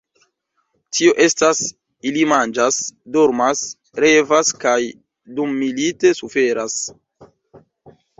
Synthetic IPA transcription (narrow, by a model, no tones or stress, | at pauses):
tʰio̞ʔe̞stas | ilimand͡ʒasdo̞ɾmas | ɾe̞vaskaj | dumːilite̞sufe̞ɾas